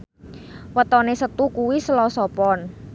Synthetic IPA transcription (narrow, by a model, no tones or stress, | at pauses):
wət̪ɔnesət̪ukuwisəlɔsɔpɔn